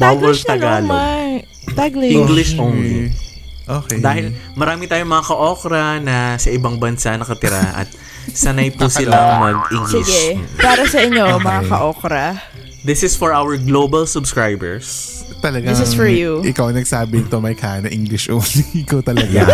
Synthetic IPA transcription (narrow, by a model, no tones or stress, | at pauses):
bawɐlt̪ɐɡaːlo | t̪ɡlĩŋɡlɪʃownli | ʔoːkɛd̪aːhɪlmɐɾaːmɪt̪aːjoŋmɐŋakɐʔo̞ːkɾɐnɐsɐʔɪbɐŋbɐnsanɐkɐt̪ɪɾa̰ʔɐ̰t̪̚ | sɐnajpusɪllamɐɡ̚iŋɡlsɪɪɡɛpaːɾɐsɐʔɪɲːomɐŋakɐʔokɾɐ | d̪ɪsɪsfɔɹʔawɛɹɡloːbɐlsʊbskɹajbɛ̰ɹs | t̪ɐlɐɡaŋfɔɹjuʔɪkawɐnɐɡ̚saːbɪnɪt̪omɐjkʰaːnɐʔiŋɡlɪʃʔownlikot̪ɐlɐja